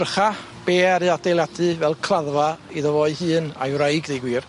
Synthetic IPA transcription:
rχa | b̥eːaɾɨad̥ejlˠjadɨvɛlˠkʰlˠaðvaiðəvɔɨhɨːna̰jwɾajɡðejɡwiːr

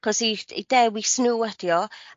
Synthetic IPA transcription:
kɔsiḭdɛwisnuɛd̥jɔ

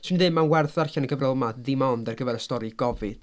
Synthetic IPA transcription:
sʰɪndɨmanwɛrθarɬaniɡəvrɪlˠmaðimɔndɛrɡəvɛɾəstɔɾɨɡ̥ɔvɨd̥

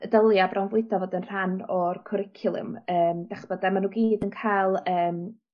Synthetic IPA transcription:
ədəlˠjabrawnvʊɨdɔvɔdɪnr̥anɔrkʰɔɾɪkʰjʊlˠɨ̰məːmd̥aχə̥b̥ɔdamanuːɡiːdənkʰajlˠəːm

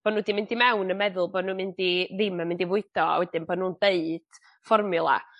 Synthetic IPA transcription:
b̥ɔnuːdimɪndimɛwnəmɛðʊlˠboːnuːmɪndiðɪmamɪndivʊɨd̥ɔa̰wɛdɪnboːdnuːnd̥eɨd̥ | fɔrmʊlˠa̰

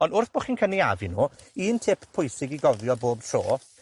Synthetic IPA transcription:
ɔndʊrθb̥oːχiːnkʰənia̰vinuː | iːntʰɪppʰːʊjsɪɡiɡɔvjɔboːb̚tʰro̰ː

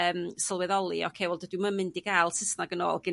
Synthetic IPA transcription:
əːmsəlˠwɛðɔlˠiɔ̰kʰewɔlˠdədɪməmɪndiɡalˠsəsnaɡəno̰ːlˠɡɪ

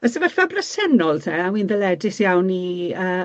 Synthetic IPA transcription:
əsəmarfabrəsɛnɔlˠtʰɛawinðɛlɛdɪsjawniəː

